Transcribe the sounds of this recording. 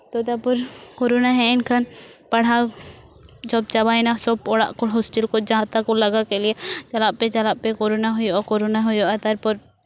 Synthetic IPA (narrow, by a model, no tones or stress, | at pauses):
t̪od̪apʊɾkoɾonaɦɛ̃ɪnkʰanpɐɽ̤a | d͡ʒɔb̚t͡ʃɐβaːinasɔb̚ɔɽa̰ʔkolɦɔsʈelkod͡ʒãːt̪akolɐɡakeliet͡ʃɐlaʔpet͡ʃɐlaʔpekoɾonaɦʊjoɔkoɾonaɦʊjoat̪ɐɾpɔɾ